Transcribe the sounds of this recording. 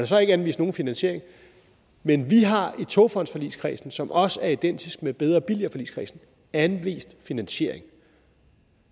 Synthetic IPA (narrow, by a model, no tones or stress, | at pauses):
ɾ̥asɒ̽e̝ɡ̥ænʋḭːsd̥no̝ːn̩finænɕe̝ɐ̰e̝ŋ | menʋiɦɑ̈it͡sʰo̝fɒ̽n̰d̥sfɒ̽lḭːskʰʁḭːsn̩sɒ̽mʔɒ̽sæɐid̥en̰d̥isɡ̥̚meb̥eð̞ˠʁɐb̥iliɐfɒ̽lḭːskʁḭːsn̩ | ænʋḭːsd̥finænɕe̝̰ɐ̰eŋ